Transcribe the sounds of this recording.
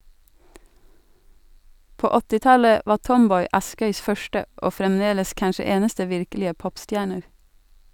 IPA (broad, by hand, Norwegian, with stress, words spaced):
ˈpoː ˈɔtɪ ˈtɑlə ˈʋɑː ˈtɔmˌbɔʏ ˈɑskœʏs ˈfœʃtə ˈoː fɾɛmˈdeːləs ˈkɑnʃə ˈeːnəstə ˈʋɪɾklɪə ˈpɔpˌstjæːɳəɾ